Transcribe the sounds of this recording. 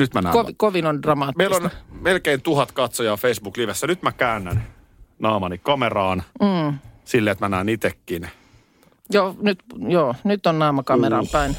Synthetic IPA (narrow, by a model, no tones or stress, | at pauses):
nyt̪mænæ̰ːkoʋkoʋinondrɑmɑːt̪meilonmelkeint̪uhɑt̪kɑt̪sojɑːfeisb̥ukliʋesːænyt̪mækæːnːæn | nɑːmɑnikɑmerɑːnm̩ːsilːeːet̪mænæːnit̪ekːin | joːnyt̪joːnyt̪ːonnɑːmɑkɑmeɾɑmpæin